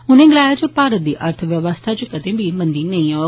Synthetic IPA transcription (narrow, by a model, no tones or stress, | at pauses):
ʊn̤ẽɡəlaːed͡ʑopaːɾət̪̚d̪iːʔʔəɾt̪ʰəʋjəʋəst̪ʰad͡ʑokɐd̪ẽbʱimɐ̃nd̪inɐĩa